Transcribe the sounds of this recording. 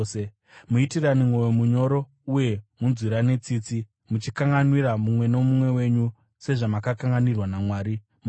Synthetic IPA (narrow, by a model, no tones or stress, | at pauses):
e | muitiranimwo̞wemuɲo̞ɾo̞ | uje̞munziɾane̞t͡siːt͡si | mut͡ʃikaŋɡanwiɾamumwe̞no̞mumwe̞we̞ɲu | se̞ʐamakakaŋɡanirwanamwaːɾi | m